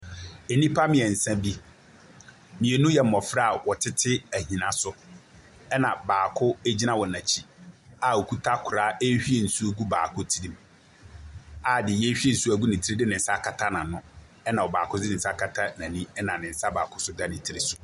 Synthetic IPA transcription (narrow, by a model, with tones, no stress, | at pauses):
e˨nĩ˦pʰa˦mɪ̃˨ɛ˨n̩˨sã˦bi˦ | mĩ˨e˨nũ˦jɛ˨m̩˦˨ɔ˨fɾa˦a˨wɔ˨tʰɪ˦tʰɪ˦æ˨hĩ˨nã˦sʊ˨ | ɛ˦nã˨baː˨kʰʊ˦e˦d͡ʑi˦nã˦wɔ˨nã˨t͡ɕʰi˦a˨wo˨kʰu˦tʰa˦kʰʊ˨ɾaː˨˦e˦hᶣi˦e˨n̩˨su˦ɡu˦baː˨kʰʊ˦tʰi˦ɾĩ˦m | a˨dɪ˨jɛ˦ɕᶣi˦e˦n̩˨su˦æ˦ɡu˦nɪ̃˨tʰɾe˦dɪ˦nɪ̃˨n̩˦sa˦kʰa˨tʰa˦nã˨nʊ̃˦ | ɛ˦nã˨wɔ˨baː˨kʰʊ˦dɪ˦nɪ̃˨n̩˨sa˦kʰa˦tʰa˦nã˨nĩ˦ɛ˦nã˨nɪ̃˨n̩˨˦sa˦ba̰ː˨kʰʊ˦sʊ˦da˦nɪ̃˨tʰi˦ɾe˨sʊ˨